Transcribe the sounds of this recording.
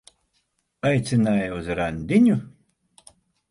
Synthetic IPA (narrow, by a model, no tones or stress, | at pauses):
ajt̪sʲinajuzɾanʲd̪ʲiɲʲu